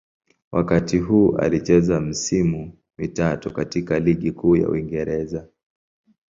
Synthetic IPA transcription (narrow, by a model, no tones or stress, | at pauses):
wakatiɦuːʔa̰lit͡ʃɛzam̩simu | mitatukatikaliɠikuːja̰ṵiŋɡɛɾɛza